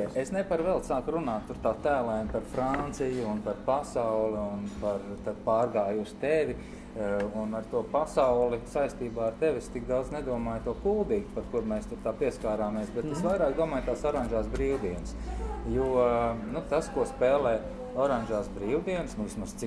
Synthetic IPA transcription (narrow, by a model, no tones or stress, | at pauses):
ʔesnɛpaɾʋɛlˠsaːkɾunaːt̪ːuɾt̪aːt̪æːlˠaːjnpaɾfɾant̪sijʊunpaɾpasawliunpaɾt̪ad̪paːɾɡaːjust̪eʋi | unaɾt̪uɔpasawlˠisajst̪iːbaːaɾt̪eʋest̪ik̚d̪awd̪zned̪uɔmaːjt̪uɔkulˠd̪iːɡpaɾkuɾmɛːst̪uɾt̪aːpiɛskaːɾaːmiɛsbɛt̪esʋajɾaːkd̪uɔmaːjt̪aːsɔɾanʒaːsbɾiːwd̪iɛnsjuɔnut̪askuɔspɛːlˠɛː | ɔɾanʲʒaːsbɾiːwd̪iɛnsnuʋismaz̥t̪si